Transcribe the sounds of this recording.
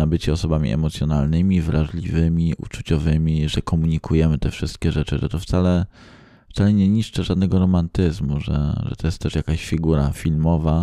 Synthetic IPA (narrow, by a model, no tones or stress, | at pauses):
abɘt͡ɕɛɔsɔbamʲḭʔɛ̰mɔt̪sʲjɔnalnɘmʲivɾʔaʐlʲivɘmʲiṵt͡ʂut͡ɕɔvɘmʲiʐɛkʰɔmuɲikʰujɛmɘt̪ɛfʂɘst̪̚kʲɛʐɛt͡ʂɘ̰ʐɛ̰t̪ɔft̪salɛ | ft̪salɛɲɛɲiʂt͡ʂɘʐad̪nɛɡɔɾɔmant̪ɘzmuʐɛ̰ʐɛ̰t̪ɔjɛst̪ːɛʂjakaɕfʲiɡuɾafʲilmɔva